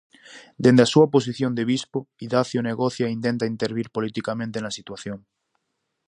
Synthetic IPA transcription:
d̪end̪easuapos̬iθjond̪eβispoiðaθjoneɣoθjaint̪ent̪aint̪eɾβiɾpolit̪ikamẽnt̪enasit̪waθjoŋ

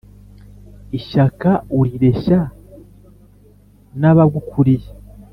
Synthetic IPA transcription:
iʃakauɾiɾe̞ʃa | naβabɡukʰuɾije

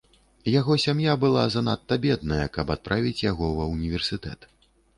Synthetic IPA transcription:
jaɣɔsʲamjabɨlˠa̰zanat̪ːɐbʲɛd̪̚nɐjɐkɐpat̪̚pɾʔavʲit͡sʲjaɣɔvɐunʲivʲɛrsɨt̪ɛ̰t̪

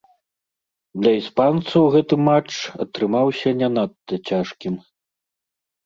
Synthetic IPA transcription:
d̪lʲɐispant̪sɐwɣɛt̪ɨmat͡ʂɐ̰t̪ɾɨmawsʲɐnʲɛnat̪ːɐt͡sʲaʂkʲim

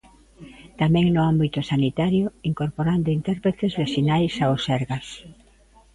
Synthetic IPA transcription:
t̪amɛ̃ŋnʊambit̪ʊsanit̪aɾjʊiŋkoɾpoɾand̪ʊint̪ɛɾpɾet̪ezβeθinajsaosɛɾɣas

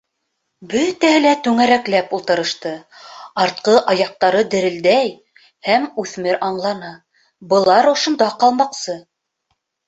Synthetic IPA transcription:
bɵt̪æhɘ̆læt̪ʉŋæɾæklæpulˠt̪ɤ̆ɾɤ̆ʃt̪ɤɑɾt̪̚qɤʔɑjɑq̚t̪ɑɾɤd̪ɘ̆ɾɘ̆ld̪æj | hæmʉθmɘɾɑɴlˠɑnɑ | bɤ̆lˠɑɾŏʃŏnd̪ɑqɑlˠmɑqsɤ

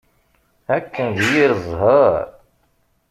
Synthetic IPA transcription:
ækːənðjiɾəzˤɦəɾˤ

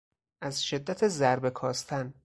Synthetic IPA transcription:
ʔæzʃe̞d̪ːæt̪ʰezæɾbe̞kʰɒːst̪ʰæn

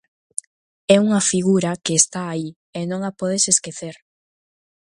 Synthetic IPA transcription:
ɛuŋɐfiɣuɾɐkeːst̪aːi | enõŋapɔðeseskeθeɾ

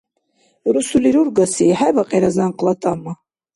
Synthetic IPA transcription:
ɾusuliɾuɾɡasiħajvaqʼɛɾazanqʼlat̪ʼama

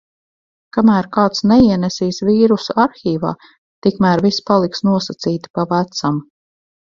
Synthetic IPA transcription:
kamæːɾkaːt̪snɛiɛnɛsiːsviːɾusuaɾxʲiːva̰ː | t̪ikmæːɾvispalˠiksnuɔsat̪siːt̪i̥pavæt̪sam

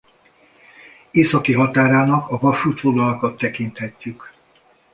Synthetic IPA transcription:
eːsɒkiɦɒt̪aːɾaːnɒkɒvɒʃuːt̪foɡ̪lɒlɒkɒt̪ːɛkint̪hɛcːyk

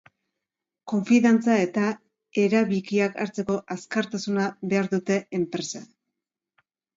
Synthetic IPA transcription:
ko̞ɱfiðant͡sae̞t̪a | e̞ɾaβikiaka̰ɾt͡se̞ko̞ʔaskaɾt̪asunaβe̞aɾðut̪e̞empɾe̞sa

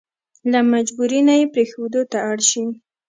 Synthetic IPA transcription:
lamad͡ʒbuɾinajepɾexod̪ot̪aːɽʃi

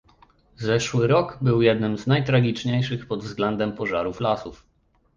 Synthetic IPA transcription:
zɛʂwɘɾɔɡbɘwjɛd̪̚nɘmznajt̪ɾaɡʲit͡ʂɲejʂɘxpɔd̪vzɡlɛnd̪ɛmpɔʐaɾuflasuf

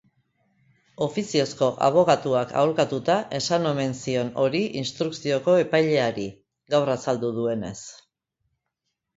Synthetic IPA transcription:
o̞fisio̞sko̞ʔa̰β̞o̞ɣat̪uaka̰wɾkat̪ut̪aʔe̞sano̞me̞nsio̞no̞ɾiʔinst̪ɾuksio̞ko̞e̞pajʎe̞aɾi | ɡawrasald̪uðue̞ne̞̰s

